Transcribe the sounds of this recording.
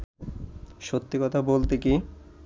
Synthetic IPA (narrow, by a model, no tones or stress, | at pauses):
ʃot̪ːikɔt̪ʰabolt̪eki